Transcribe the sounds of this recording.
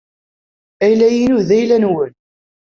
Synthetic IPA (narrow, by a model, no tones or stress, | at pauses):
æjlæjinuðæjlænwən